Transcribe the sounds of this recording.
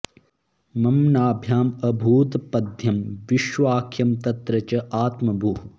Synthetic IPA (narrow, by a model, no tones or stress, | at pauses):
mɐmnaːbʱjaːmɐbʱuːt̪pɐd̪ʱjɐmʋiʃʋaːkʰjɐmt̪ɐt̪ɾɐt͡ʃɐʔaːt̪mɐbʱuɦu